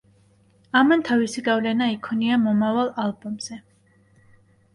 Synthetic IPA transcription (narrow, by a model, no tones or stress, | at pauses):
amant̪ʰavisiɡavlɛnaikʰɔniamɔmavalˠalˠbɔmz̥ɛ